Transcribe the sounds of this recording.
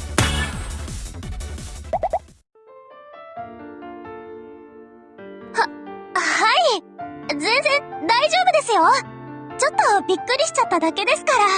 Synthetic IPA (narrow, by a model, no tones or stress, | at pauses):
hahai | zẽ̞ñzẽ̞nd̪aiʑo̞ːbɯ̟d̪e̞sɨjo̞t͡ɕo̞t̪ːo̞bʲikːɯ̟ɾʲiɕi̥t͡ɕat̪ːad̪ake̞d̪e̞sɨ̥kaɾa